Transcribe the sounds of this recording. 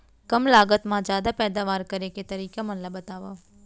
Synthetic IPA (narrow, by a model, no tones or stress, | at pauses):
kəmlaːɡət̪mãːzjaːd̪apɛːd̪aːʋaːɾkəɾeket̪əɾiːkamənlabət̪aːʋa